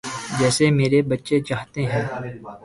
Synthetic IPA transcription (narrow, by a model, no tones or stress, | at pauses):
d͡ʒɛːsemeːɾebɐtːʃet͡ʃaːɦt̪eɦɛ̃ː